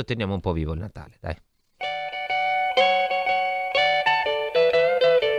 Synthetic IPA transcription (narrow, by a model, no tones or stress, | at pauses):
ot̪ːenjaːmoumpɔviːvoilnat̪a̰ːled̪a̰j